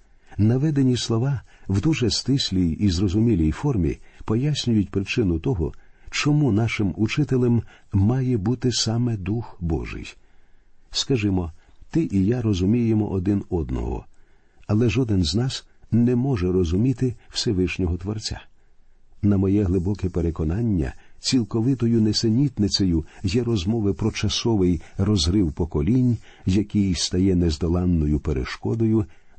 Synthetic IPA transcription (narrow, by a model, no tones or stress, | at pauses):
nɐʋɛd̪enʲislˠɔʋɑwd̪uʒɛst̪ɪsʲlʲijizrɔzʊmʲilʲijfɔrmʲḭpɔjasʲnʲʊjʊtʲpɾɪt͡ʃɪnʊt̪ɔɦɔ̰t͡ʃɔmunɑʃɪmut͡ʃɪt̪elˠɛmː | ɑjɛbut̪ɪsɑmɛd̪uxbɔ̰ʒɪ̰j | skɐʒɪmɔt̪ɪʔijaɾɔzʊmʲijemɔ̰ʔɔd̪ɪnɔd̪nɔ̰ɦɔ̰ | ɐlˠɛʒɔd̪ɪnznɑsnɛmɔʒɛɾɔzʊmʲit̪ɪw̥sɛʋɪʃnʲɔɦɔt̪ʋɔrt͡sʲa̰ | nɐmɔjɛɦlˠɪbɔkɛpeɾekɔnɑnʲːɐ̰t͡sʲilˠkɔʋɪt̪ɔjʊnɛsenʲit̪nɪt͡s̪ʲɛjʊjɛɾɔzmɔʋɪpɾɔt͡ʃɐsɔʋɪjrɔzɦɾɪwpɔkɔlʲinʲ | zjɐkɪjst̪ɐjɛnɛzd̪ɔlˠɑnːɔjʊpeɾḛʃkɔd̪ɔjʊ